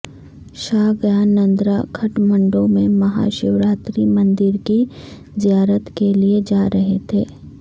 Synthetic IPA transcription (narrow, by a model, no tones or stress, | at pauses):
ʃaːɡjaːnːɐ̃nd̪ɾakʰɐʈmɐ̃ɳɖõmẽmɐɦa̰ʃɪʋɾaːt̪ɾimɐ̃nd̪ɪɾki | zijaːɾət̪kelied͡ʒaːɾɐɦet̪ʰeː